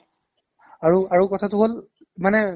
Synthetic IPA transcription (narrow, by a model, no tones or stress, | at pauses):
aɹuaɹukɔtʰatʊɦol | manɛ